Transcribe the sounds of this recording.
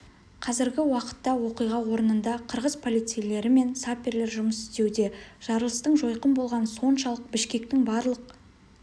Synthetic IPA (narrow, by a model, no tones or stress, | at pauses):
qʰɑzɪɾɡʲɪwɑqə̥t̪ːɑwo̞qijʁɑwo̞ɾənənd̪ɑqʰəɾʁəzpʰo̞lˠijt̪sejle̞ɾɪme̞nsapʲːeɾle̞ɾʒʊməsɪ̥st̪e̞wd̪e̞ʒ̥ɑɾəlˠəst̪əɴʒo̞jqənbo̞lˠʁɑnso̞nʃɑlˠəq̚bɪʃkʲe̞k̚t̪ɪŋbɑɾlˠəq̚